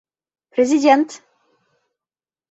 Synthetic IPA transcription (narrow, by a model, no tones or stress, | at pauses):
pɾʲezʲidʲent̪